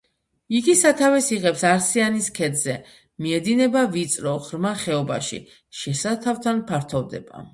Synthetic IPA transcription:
iɡisat̪ʰavɛsiʁɛpsaɾsianiskʰɛd̪zɛ | miɛd̪inɛbavit̪sʼɾɔʁɾmaχɛɔba̰ʃḭ | ʃɛsat̪ʰaft̪ʰanpʰaɾt̪ʰɔvd̪ɛ̰ba̰

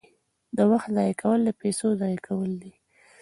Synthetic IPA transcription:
d̪əwaxt̪zɑjikʰawəld̪əpesozɑjikʰawəld̪i

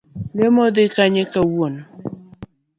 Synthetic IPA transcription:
lemɔdɪkaɲekawon

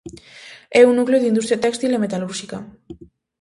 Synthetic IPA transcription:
eunukleoðind̪usɾiat̪ekst̪ileme̞t̪aluɾʃika

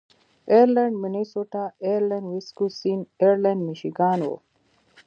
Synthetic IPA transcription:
eɾleɳɖminisoːʈaeːɾleɳɖwiskusineɾleɳɖmiɕiɡaːno̰

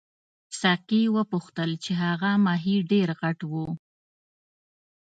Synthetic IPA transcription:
sɑqiwəpuxt̪əlt͡ʃeɦaɣamɑɦiɖeɾɣaʈwu

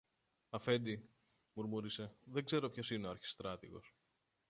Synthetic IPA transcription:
ɐfe̞nd̪i | muɾmuɾise̞ðe̞ɡze̞ɾo̞pço̞sineoɐɾçi̥st̪ɾɐt̪iɣo̞̰s

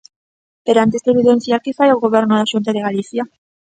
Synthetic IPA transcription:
peɾant̪est̪eβiðen̟θjakefajawɣoβɛɾnʊðaʃunt̪aðeɣaliθja

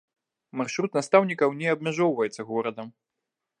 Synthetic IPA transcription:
marʂɾut̪nast̪awnʲikɐwnʲɛɐbmʲaʐɔwvɐjɛt̪sːɐɣɔɾɐd̪ɐm

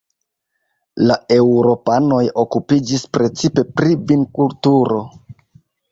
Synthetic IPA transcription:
lae̞wɾo̞pano̞jo̞kupid͡ʒispɾe̞t͡sipe̞pɾibinkultuɾo̞

